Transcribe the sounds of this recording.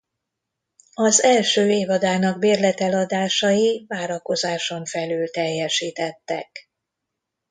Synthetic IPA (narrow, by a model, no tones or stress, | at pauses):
ɒzɛlʃøːeːvɒd̪aːnɒɡbeːrlɛt̪ɛlɒd̪aːʃɒjivaːɾɒko̞zaːʃo̞ɱfɛlyːlt̪ɛjːɛʃiːt̪ɛt̪ːɛ̰k